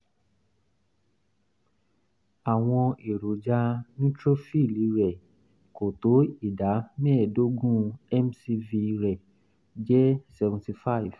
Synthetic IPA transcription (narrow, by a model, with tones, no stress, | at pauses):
a˨w̃ɔ̃˧e˨ɾo˨d͡ʒa˧nĩ˦tɾo˦fi˦˨li˨˦ɾɛ˨ | ko˨to˨˦i˦˨da˨˦mɛ̃˦ɛ˦˨do˦ɡũ˦ɛ˦msi˧vi˧ɾɛ˨ | d͡ʒɛ˦sɛ˧vũ˨ti˧fa˦˨i˨v̥